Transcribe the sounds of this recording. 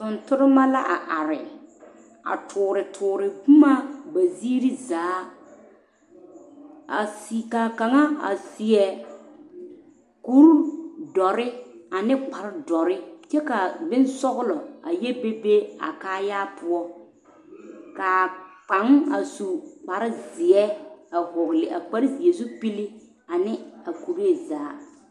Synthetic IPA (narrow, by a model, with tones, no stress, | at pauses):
tʊ˨ntʊ˦ɾɪ˦ma˦la˦ʔa˨ʔa˨ɾɪ˨ | a̰˨tʰʊː˨ɾɪ˨tʰʊː˨ɾɪ˨ku˦ma˦ba˨zi˦i˦ɾi˦zaː˨˦ | a˨si˨ka˨ka˨ŋa˦a̰˨sɪ˨ɛ˨ | ku˦ɾdɔ˨ɾɪ˦a˨nɪ˦k͡pa˨ɾdɔ˨ɾɪ˦t͡ʃɛ˦ka˨bɪ˦n˦sɔ˦ɣʊ˦lɔ˨a˨je˦be˦be˦a̰˨kaː˦jaː˦pʰʊ˦ɔ˦ | ka˨k͡pa˨˦ŋ˦a˨su˨k͡pa˨ɾɪ˦zɪ˨ɛ˦a˨hʊ˨ɣlɪ˨ʔa̰˨k͡pa˦ɾɪ˦zi˨ɛ˨zu˦pi˦lɪ˦ | a˨nɪ˦a˨ku˨ɾe˦˨zaː˨˦